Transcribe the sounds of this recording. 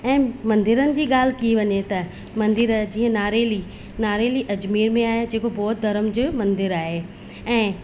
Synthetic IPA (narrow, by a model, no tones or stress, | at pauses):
ɛ̃ːmɐ̃nd̪ɪɾənɪ̆d͡ʑiːɠaːl̤ɪkiiʋɐɲet̪ɐ | mɐ̃nd̪ɪɾd͡ʑiːə̃naːɾeːli | naːɾeːliʔɐd͡ʑmiːɾmẽaːɦed͡ʑeːkobɔːt̪̚d̪ɐɾəmd͡ʑʊmɐ̃nd̪ɪɾaːɦe | ɛ̃ː